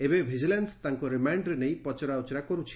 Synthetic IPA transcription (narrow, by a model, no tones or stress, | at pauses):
ebebʱid͡ʒilenst̪aŋkuɾimaɳɖɾenej̃pɔt͡ʃɔɾaut͡ʃɔɾakɔɾut͡ʃʰi̥